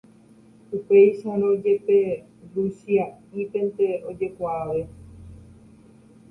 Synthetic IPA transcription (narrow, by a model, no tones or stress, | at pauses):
upe̞jʃaɾõd͡ʒe̞pe̞ | rusiaipẽ̞nt̪e̞o̞d͡ʒe̞kʷaaʋe̞